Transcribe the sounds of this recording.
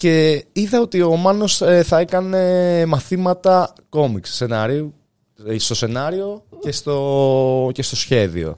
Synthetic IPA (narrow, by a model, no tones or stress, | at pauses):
ce̞iðɐo̞t̪io̞mɐno̞seθɐe̞kɐne̞mɐθimɐt̪ɐ | ko̞miksse̞nɐɾiu | st̪o̞se̞nɐɾio̞ce̞st̪oce̞st̪o̞sçe̞ðḭo̞̰